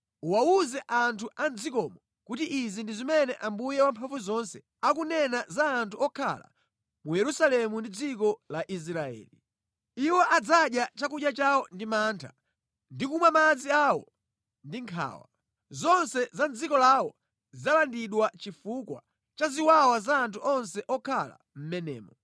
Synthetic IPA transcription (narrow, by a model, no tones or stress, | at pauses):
uwauzɛʔantʰuʔand͡zikɔmɔ | kutiʔizindizimɛnɛʔambujɛwampʰavuzɔnsɛ | akunɛnazaːntʰuɔkʰa̰la̰ | mujɛɾusalɛmundid͡zikɔlaʔis̬ɾaɛ̰ːli | iwɔʔad͡zaɗjat͡ʃakuʄjat͡ʃawɔndimaːntʰa̰ | ndikumwamad͡ziawɔ̰ | ndiŋkʰa̰ːwa̰ | zɔnsɛzand͡zikɔlawɔ | zalandiɗwat͡ʃifukwa̰ | t͡ʃaziwawazaːntʰuʔɔns̬ɛʔɔkʰala̰ | m̩mɛnɛ̰ːmɔ